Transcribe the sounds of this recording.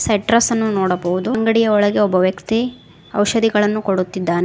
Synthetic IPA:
sɐʈɾɐsɐnːunɔːɽɐbɐʋud̪uŋɡɐɽijɐɔɭɐɡe̞ɔbːɐʋjɐkt̪i | ɐ̰wʃɐd̪iɡɐɭɐnːukoɽut̪ːid̪ːaːne

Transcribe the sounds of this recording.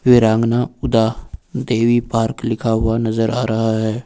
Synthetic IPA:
ʋɪɾãːŋɡnaʊd̪ad̪eːwipaːɾklɪkʰaɦʊanɐzəɾʔaːɾɐɦaɦɛː

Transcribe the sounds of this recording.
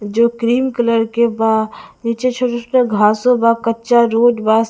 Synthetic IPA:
d͡ʒoːkɾiːmkələɾkebaːniːt͡ʃet͡ʃʰoʈosneɡʱaːsõbaːkətːʃaɾoːɖbaːs

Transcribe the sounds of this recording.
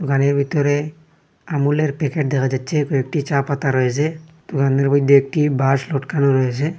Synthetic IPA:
d̪ukaneɾbʱit̪ɔɾe | amuleɾpɛkeʈ̚d̪ɛkʰad͡ʑatːɕʰekoek̚ʈit͡ɕapat̪aɾɔjet͡ɕʰed̪̥ukaneɾbɔjd̪ʱːeek̚ʈibaʃloʈkanoɾɔjet͡ɕʰe

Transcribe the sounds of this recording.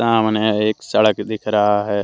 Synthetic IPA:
aːmneeːksəɽəkd̪ɪkʰɾaɦaɦɛː

